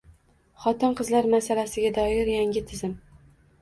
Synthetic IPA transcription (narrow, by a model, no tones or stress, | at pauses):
χɒt̪ɪnqɨzlaɾmasalasɪɡʲad̪ɒɪɾjaŋʲɪt̪ʰɪzɪm